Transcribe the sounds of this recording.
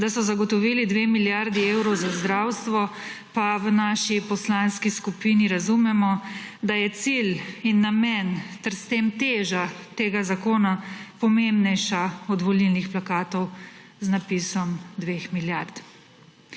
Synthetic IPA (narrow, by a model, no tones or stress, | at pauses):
d̪asɔzaɡɔt̪ɔʋiːlid̪ʋemiljaɾd̪iewɾɔwzazd̪ɾawst̪ʋɔpaʋənaːʃipɔslanskiskupiːniɾazumɛmɔ | d̪ajɛt̪silinːamɛnt̪ɛɾst̪emt̪eːʒat̪eːɡazakoːnapɔmembnɛjʃaɔd̪ʋɔlilnixplakaːt̪ɔw | znapiːsɔmd̪ʋeːxmiljaɾt̪